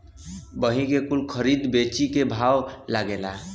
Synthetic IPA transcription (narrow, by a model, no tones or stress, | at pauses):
bəɦĩkekulkʰəɾid̪bet͡ʃikebʱawlaɡela